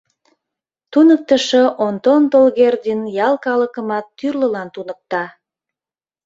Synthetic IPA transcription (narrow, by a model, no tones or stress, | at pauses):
t̪unək̚t̪əʃəʔont̪ont̪olɣerd̪ʲinjɑlˠkɑləkəmɑt̪ːyrləlɑnt̪unək̚t̪ɑ